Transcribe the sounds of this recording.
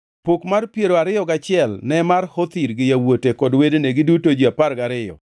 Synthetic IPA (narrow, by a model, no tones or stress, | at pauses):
pokmarpjeɾoaɾɪjɔɡat͡ʃɪɛlnɛmarhot̪iɾɡɪjawotekɔdwedeneɡɪdutod͡ʒiaparɡaɾɪjɔ̰